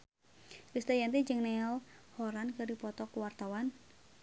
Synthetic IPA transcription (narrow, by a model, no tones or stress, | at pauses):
kɾist̪ajant̪id͡ʒɨŋnɛalhɔɾankɨrdipɔt̪ɔkuwart̪awan